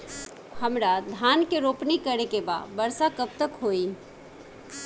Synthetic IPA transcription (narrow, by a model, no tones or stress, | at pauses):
həmɾad̪ʱaːnkeɾoːpnikəɾekeba̰ːbəɾsakəp̚t̪əkɦoːi